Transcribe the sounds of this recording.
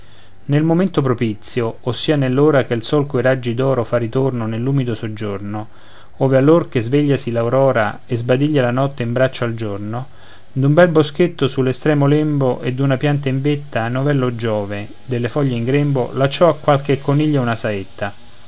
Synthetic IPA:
nelmoment̪opɾopit̪sːjoːsːiːanelːoːɾak̟elsɔlkoeɾad͡ʒːid̪ɔːɾofarit̪ornonelːuːmid̪osod͡ʒːorno | ɔːvealːorkezveʎːasilawɾɔːɾaezbad̪iʎːalanɔt̪ːeimbɾat͡ʃːoald͡ʒorno | d̪umbɛlbosk̟et̪ːosulːest̪ɾɛːmolɛmboʔed̪ːunapjant̪̬aiɱvet̪ːanovɛlːod͡ʒɔːve | d̪elːefɔʎːeiŋɡɾɛmbo̰lat͡ʃːɔakːwalk̟ekʰːoniʎːaunasaet̪ːa

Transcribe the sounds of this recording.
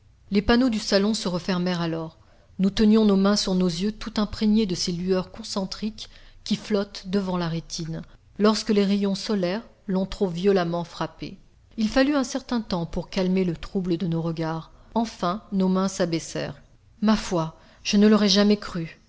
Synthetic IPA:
lepanod̪ysalɔ̃səʁəfɛʁmɛʁalɔʁ | nut̪ənjɔ̃nomɛ̃syʁnozjøt̪ut̪ɛ̃pχeɲed̪əselyœʁkɔ̃sɑ̃t̪χikʲːiflɔt̪d̪əvɑ̃laʁet̪ʰin | lɔʁskəleʁejɔ̃sɔlɛʁ | lɔ̃t̪χovjɔlamɑ̃fχapḛ | ilfalyɛ̃sɛʁt̪ɛ̃t̪ɑ̃puʁkalmelət̪χubləd̪ənoʁəɡaʁɑ̃fɛ̃nomɛ̃sabɛsɛ̰ːʁ | mafwa | ʒ̥ənəlɔʁɛʒamɛkχy

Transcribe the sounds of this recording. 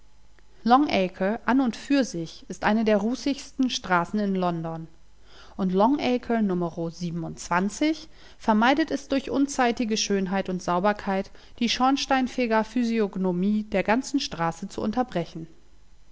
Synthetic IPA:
lɔŋʔɛkʰəʔanʊntfyːɐzɪçɪstʔaɪnədeːɐʁuːsɪçstn̩ʃtʁ̥aːsn̩ɪnlɔndɔn | ʔʊntlɔŋʔɛkʰənʊməʁoziːbm̩ʊntt͡sv̥ant͡sɪç | fɛɐmaɪdətɛsd̥ʊɐçʔʊnt͡saɪtɪɡəʃøːnɦaɪtʊntz̥aʊbɐkʰaɪt | d̥iːʃɔnʃtaɪnfeːɡɐfyzioɡnomiːdeːɐɡant͡sn̩ʃtʁ̥aːsət͡suʔʊ̰ntɐbʁɛçn̩

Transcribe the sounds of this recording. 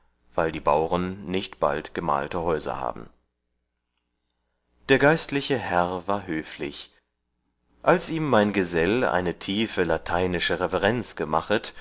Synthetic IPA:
v̥aɪldiːbaʊʁənːɪçtb̥a̰ltɡ̥əma̰ːltəɦɔʏzɐ̰ha̰ːbm̩ | d̥eːɐɡaɪstlɪçəhɛʁvaːɐɦøːflɪ̰ç | ʔalsʔiːmːaɪnɡəzɛla̰ɪnətʰiːfəlatʰaɪnɪʃəʁɛvɛʁɛnt͡sɡ̥əmaχət

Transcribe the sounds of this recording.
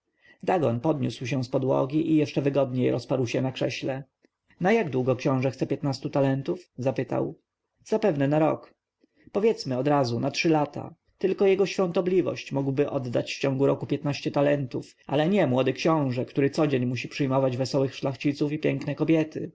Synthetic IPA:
d̪aɡɔnpɔd̪ɲʲṵswɕɛ̃spɔd̪wɔ̰ɡʲiʔijɛʂt͡ʂɛvɘɡɔd̪ɲejɾɔspaɾwɕɛnakʂɛɕlɛ | najaɡd̪wuɡɔkɕɔ̃w̃ʐɛxt̪sɛpʲjɛt̪nast̪ut̪alɛnt̪ufzapɘt̪a̰w | z̥apɛvnɛnaɾɔ̰k | pɔvʲjɛt̪smɘɔd̪ɾazunatʂɘlat̪ʰa̰ | t̪ɘlkɔjɛɡɔɕfʲjɔ̃nt̪ɔblʲivɔ̰ɕt͡ɕmuɡwbɘʔɔd̪ːat͡ɕft͡ɕɔ̃ŋɡuɾɔkupʲjɛt̪naɕt͡ɕɛt̪alɛnt̪uf | ʔa̰lɛɲɛmwɔd̪ɘkɕɔ̃w̃ʐɛkt̪uɾɘt̪sɔd͡ʑeɲmuɕ̬ipʂɘjmɔvad͡ʑvɛsɔwɘxʂlaxt͡ɕit̪sufipʲjɛŋknɛkɔbʲjɛt̪ɘ̰

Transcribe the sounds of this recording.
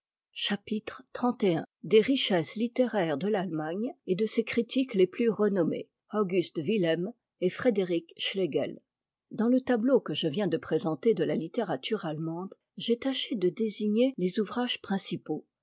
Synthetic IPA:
ʃapit̪χt̪χɑ̃t̪eɛ̰̃d̪eʁiʃɛslit̪eʁɛʁd̪əlalmaɲed̪əsekχit̪ikleplyʁənɔmḛ | ɔɡʲyst̪vilɛm | efχed̪eʁikʃleɡɛ̰l | d̪ɑ̃lət̪ablokəʒəvjɛ̃d̪əpχezɑ̃t̪ed̪əlalit̪eʁat̪yʁalmɑ̃d̪ | ʒɛt̪aʃed̪əd̪eziɲelezuvʁaʒ̥pχɛ̃sipo

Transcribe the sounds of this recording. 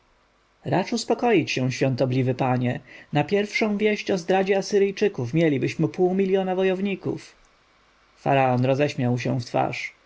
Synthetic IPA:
ɾa̰t͡ʂuspɔkɔjit͡ɕɕɛ̃ɕfʲjɔnt̪ɔblʲivɘpaɲɛnapʲjɛɾfʂɔ̃w̃vʲjɛɕt͡ɕɔzd̪ɾad͡ʑɛasɘɾɘjt͡ʂɘkufmʲjɛlʲibɘɕmɘpuwmʲilʲjɔnavɔjɔvɲikṵf | fa̰ɾaɔnɾɔzɛɕmʲjawɕ̬ɛ̰̃ft̪fa̰ʂ

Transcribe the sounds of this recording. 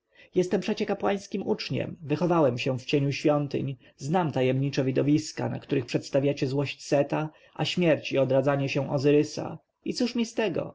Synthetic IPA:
jɛst̪ɛmpʂɛt͡ɕɛkapwaj̃skʲimʔut͡ʂɲɛ̰mvɘxɔvawɛmɕɛ̃ft͡ɕeɲuɕfʲjɔnt̪ɘ̰ɲ | znamt̪ajɛmɲit͡ʂɛvʲid̪ɔvʲiska̰na̰kt̪uɾɘxpʂɛt̪st̪avʲjat͡ɕɛzwɔɕt͡ɕsɛt̪a | ʔaɕmʲjɛɾt͡ɕiɔd̪ɾad̪zaɲɛɕɛ̃ʔɔzɘɾɘsa̰ | it̪suʂmʲist̪ɛɡɔ̰

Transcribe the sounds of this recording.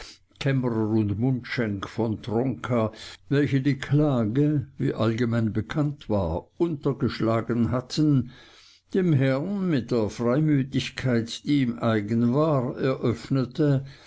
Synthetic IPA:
kʰɛməʁəʊntmʊntʃɛŋkfɔntʁɔŋkʰavɛlçədiːkʰlaːɡəvḭːʔalɡəmaɪnbəkʰantv̥aːɐʔʊntɐɡəʃlaːɡənɦatʰən | d̥eːmɦɛɐnmɪt̚d̥eːɐfʁ̥aɪmyːtɪçkʰaɪtd̥iːmʔaɪɡənvaːʁɛɐʔœfnətʰə

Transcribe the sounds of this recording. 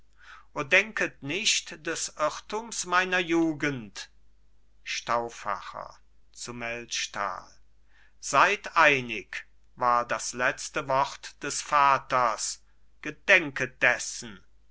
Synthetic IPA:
ʔoːɐdɛŋkətnɪʃtd̥ɛsʔɪʁtʊmsmaɪnɐjuːɡənt | ʃtaʊfa̰χɐ̰ | t͡sumɛltʃta̰ːl | z̥aɪtʔaɪnɪk | vaːɐdaslɛt͡stəvɔʁtd̥ɛsfaːtɐs | ɡ̥ədɛŋkəd̥ɛsn̩

